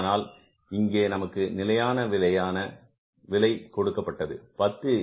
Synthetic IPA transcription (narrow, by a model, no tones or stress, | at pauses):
naːl | ɪŋɡeːnɐmɐkːɯnɪlɐjaːnɐʋɪlɐjaːnɐ | ʋɪlɐɪkɔɽɯkːɐpːɐʈːɐðɯ̰pɐt̪ːɯ